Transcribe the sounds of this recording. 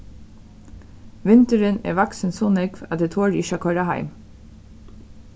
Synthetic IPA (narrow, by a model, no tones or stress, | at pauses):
ʋɪnt̪əɾənḛːʋɑksənsoːnɛɡʋɑt̪̚d̪eːt̪ʰoːɹɪʃɑːkʰɔɾɑhæ̰ɪm